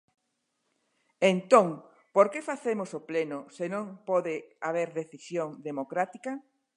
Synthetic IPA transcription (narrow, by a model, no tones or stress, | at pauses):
ent̪oŋ | poɾkefaθemosoplenʊsenõŋpɔðeaβ̞eɾðeθisjoŋd̪emokɾat̪i̥kɐ